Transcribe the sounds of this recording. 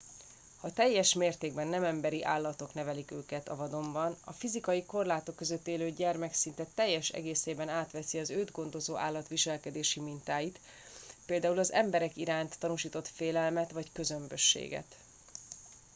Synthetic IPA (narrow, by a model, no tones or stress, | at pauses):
hɒt̪ɛjːɛʃmeːrt̪eːɡ̚bɛnːɛmɛmbɛɾiʔaːlːɒt̪o̞knɛvɛlikøːkɛt̪ɒ̰vɒd̪o̞mbɒnɒfizikɒjiko̞rlaːt̪o̞kːø̞zøt̪ːeːløːɟɛrmɛksint̪ɛt̪ɛjːɛʃɛ̰ɡeːseːbɛnaːt̪ʋɛsiɒzøːd̪ɡo̞nd̪o̞zoːʔa̰ːlːɒt̪ʋiʃɛlkɛd̪eːʃimint̪aːjit̪ | peːld̪aːulɒzɛ̰mbɛɾɛkiɾaːnt̪ːɒnuʃiːt̪o̞t̪feːlɛlmɛt̪ʋɒckø̞zø̞mbøʃːḛːɡɛ̰t̪